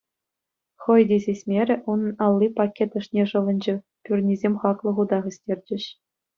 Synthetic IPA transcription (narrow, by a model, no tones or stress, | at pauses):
χɤ̆jdʲizʲesʲmʲeɾʲɘ̆ʔunnɑlˠːipɑkʲːet̪ɤ̆ʂnʲeʐɤ̆ʋɤ̆nʲd͡ʑɘ̆ | pʲyrʲnʲizʲemʲχɑklˠɤ̆ʁud̪ɑʁɘ̆sʲtʲerʲd͡ʑɘ̆ɕ